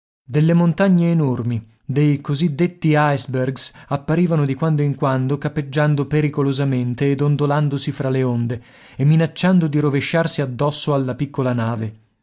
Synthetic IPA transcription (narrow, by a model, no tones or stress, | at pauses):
d̪elːemont̪aɲːeːnormi | d̪ejkozid̪ːet̪ːiajsberɡsapːaɾiːvanod̪ikwand̪oiŋkwand̪okapːed͡ʒːand̪opeɾikolozament̪eːd̪ond̪oland̪osifɾaleond̪e | emːinat͡ʃːand̪od̪iɾoveʃːarsiad̪ːɔsːoalːapikːolanaːve